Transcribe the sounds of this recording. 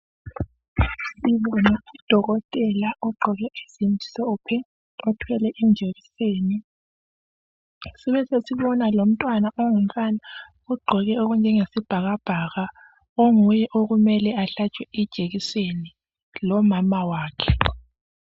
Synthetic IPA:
siβɔnaid̥ʱɔɣɔtʼɛlaɔɡ͡ǃʱɔɣɛesindʱi̥sɔpʰɛ | ɔtʰwɛlɛʔind͡ʒʱeɣiseːni | siβɛsesiβɔnalom̩tʼwanaʔoŋum̩tʼana | uɡ͡ǃʱɔɣɛoɣund͡ʒʱɛŋesib̥ʱaɣab̥ʱaɣa | oŋujɛʔoɣumɛlɛaɬat͡ʃʼwɛid̥ʒ̥ʱeɣiseni | lɔmamawaːkʰɛ

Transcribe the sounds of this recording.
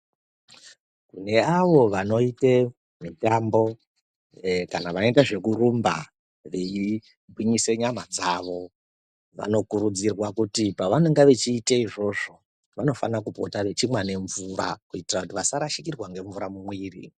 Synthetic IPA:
kune̞aʋo̞ʋano̞ite | mitambo̞ | kanaʋano̞itaʐe̞kurumba̰ | ʋei | bwiɲise̞ɲamad͡zaʋo̞ | ʋa̰no̞kuɾud͡zirwakutipaʋane̞ŋɡaʋet͡ʃiːteiʐo̞ʐo̞ | ʋano̞fanakupotaʋe̞t͡ʃimwane̞ɱvura̰kuitirakutiʋasaɾaʃikirwaŋɡe̞ɱvuɾamumwiːrḭ

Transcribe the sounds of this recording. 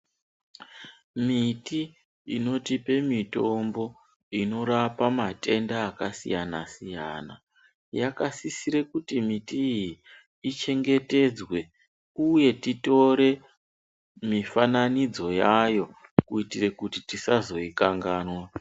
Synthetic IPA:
miti | ino̞tipe̞mito̞mbo̞ | ino̞ɾapamate̞ndaːkasḭjanasija̰ːna | jakasisiɾe̞kutimitiːji | it͡ʃe̞ŋɡe̞te̞d͡zwe̞ | uje̞tito̞ɾe̞ | mifananid͡zo̞jajo̞kuitire̞kutitisazo̞ikaŋɡaːnwa

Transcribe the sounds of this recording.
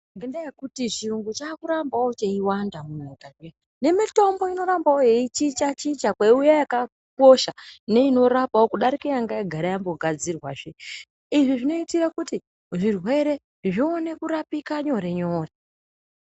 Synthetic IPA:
ŋɡendajekutiʐiuŋɡut͡ʃaːkuɾambawot͡ʃeiwandamuɲikaɲe | ne̞mito̞mbo̞ino̞ɾambaoje̞it͡ʃit͡ʃat͡ʃit͡ʃakweujajaka | ko̞ʃane̞ino̞ɾapawo̞kuɗaɾikejaŋɡajaɡʱaɾajambo̞ɡʱad͡zirwaʐe | iʐiʐino̞itirakuti | ʐirwe̞ɾe̞ | ʐione̞kuɾapikaɲo̞ɾe̞ɲo̞ːre

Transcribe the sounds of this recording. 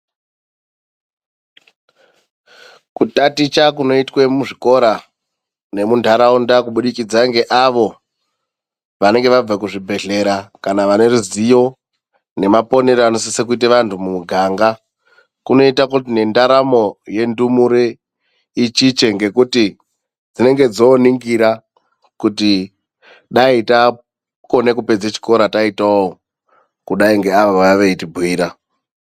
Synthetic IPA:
kutatit͡ʃak̬uno̞itwemuʐiko̞ɾa | ne̞mundʱaɾaundakuɓuɗikid͡zaŋɡe̞ʔaʋo̞ | ʋane̞ŋɡe̞ʋab͡vakuʐibʱe̞ɮe̞ɾakanaʋane̞ruzijo̞ | ne̞mapo̞ne̞ɾoano̞sisekuit̬eʋantʰumumuɡʱaːŋɡa | kuno̞itakutine̞ndaɾamo̞je̞ndumuɾe | it͡ʃit͡ʃe̞ŋɡe̞kuti | d͡zine̞ŋɡe̞d͡zo̞ːniŋɡiɾa | kuti | ɗaita | ko̞ne̞kupe̞d͡zet͡ʃi̥ko̞ɾataitao | kuɗaiŋɡe̞aʋaʋaʋe̞itibʱwiːɾa

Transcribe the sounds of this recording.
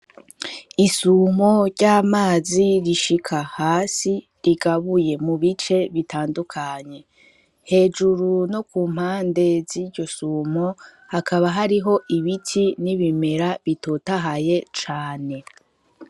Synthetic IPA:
isumo̞ɾɟaːmaːziɾiʃikʰahaːsi | ɾiɡaβuje̞muβit͡ʃe̞βitʰaːndukʰaɲe̞ | he̞ːd͡ʒuɾuno̞kuːm̥haːnde̞ziːɾɟo̞sumo̞ | hakʰaβaɦaɾiɦo̞ʔiβitʰiniβime̞ɾaβitotaɦaje̞t͡ʃaːne̞

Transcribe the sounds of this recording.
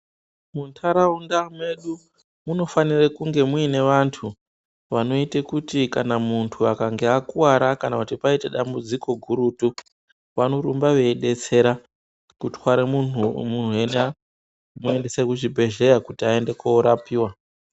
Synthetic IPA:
muntʰaɾaundamwe̞ɗu | muno̞fanirekuŋɡe̞muine̞ʋantʰu | ʋano̞itekutikanamuntʰuakaŋɡeakuwaɾakanakutipaiteɗambud͡ziko̞ɡʱuɾutu | ʋanoɾumbaʋe̞ːɗe̞t͡se̞ɾa | kutwaɾemun̤uen | mue̞nde̞sekuʐibʱe̞ʒe̞ɾakutiae̞nde̞kouɾapiːwa

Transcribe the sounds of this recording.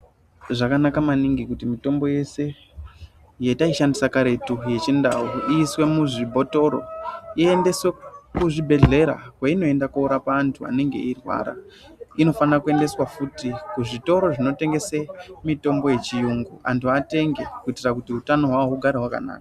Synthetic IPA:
ʐakanakamaniŋɡikutimito̞mbo̞je̞se̞ | jetaiʃandisakaɾe̞tuje̞t͡ʃindauiːswe̞muʐibʱo̞to̞ɾo̞̰iende̞swekuʐibʱe̞ɮe̞ɾa̰kwaino̞e̞ndakuuɾapaːntʰua̰ne̞ŋɡe̞̰irwa̰ːɾa̰ | ino̞fanrakue̞nde̞swafutikuʐito̞ɾo̞ʐino̞te̞ŋɡe̞semito̞mbo̞je̞t͡ʃijuŋɡua̰ntʰuate̞ŋɡe̞kuitirakutiɦutano̞ɦwaouɡʱaɾeɦwaka̰na̰ːka

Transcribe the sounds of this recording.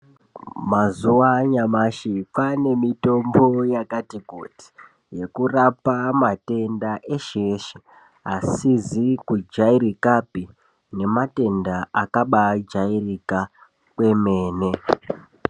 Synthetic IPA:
mazuwaɲamaʃipane̞mito̞mbo̞jakatiko̰ti̥ | je̞kurapamate̞ndaʔe̞ʃeʃi | asizikud͡ʒaiɾikapi | ne̞mate̞ndaakaɓad͡ʒairika | kwe̞me̞ːne̞

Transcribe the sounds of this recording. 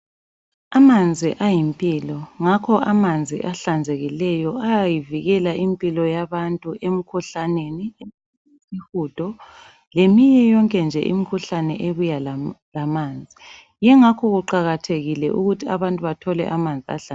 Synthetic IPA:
amand͡zʱiʔajimpʼilɔŋakʰɔʔamand͡zʱḭʔaɬand͡zʱeɣilɛjɔajajiviɣɛlaʔimpʼilɔjaβantʼuem̩kʰuɬanenie | sihud̥ʱɔ | lemiɲɛjɔŋkʼɛnd͡ʒʱɛ̰ʔḭmikʰuɬanɛʔeβujallamaːnd͡zʱi | jɛŋakʰɔɣuǃaɣatʰeɣilɛ̰ʔuɣutʰiaβantʼuβatʰɔlɛ̰ʔamand͡zʱia̰ɬa

